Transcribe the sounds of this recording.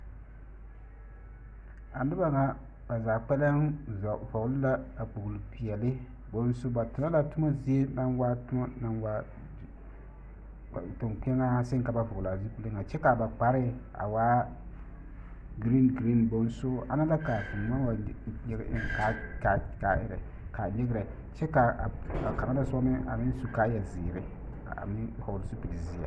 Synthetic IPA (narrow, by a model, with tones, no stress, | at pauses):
a˨nɪ˦ba˨ŋa˨ | ba˨zaː˨k͡pɛ˦la˦ŋ˨vɔ˨ɡʊ˦lʊ˦la˦a˨k͡pu˨ɡlpi˨ɛ˨lɪ˦ | bo˨n˦sʊ˦ba˨tʊ˨na˦la˨tʊ˦ma˦zi˦e˦na˦nwa˦tna˨nwa˦˨ | tʊ˨ŋk͡pɛ˦ŋa˦sɪ˦ŋka˨ba˨vʊ˨ɡla˨zi˦k͡pu˦lɪ˦ŋa˨t͡ʃɛ˦ka˨ba˨k͡pa˨ɾɪ˦a̰˨waː˦ | ɡɾi˦nɡɾi˦nbo˨n˦sʊ˦a˦na˦la˦ka˨fʊ˨ma˦wa˨ɲɛ˦ɡ̰ʔɪ̰˦ŋka˦ka˦ka˨˦ʔɪ̰˦ɾɛ˨ | ka˨ɲɛ˦ɡɪ˦ɾɛ˨ | t͡ʃɛ˦ka˨a˨ka˨ɾa˦la˨sɔ˦mɪ˦ʔa̰˨mɪ˦n˦su˨ka˦ja˨ziː˨ɾɪ̰˦˨ | mɪ˦ha˨su˦pi˨li˨zi˦a̰˨